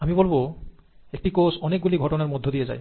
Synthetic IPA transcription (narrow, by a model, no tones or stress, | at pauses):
amibolbo | ek̚ʈikosɔnek̚ɡuliɡʱɔʈonaɹmɔd̪ʱːod̪ijeza̰j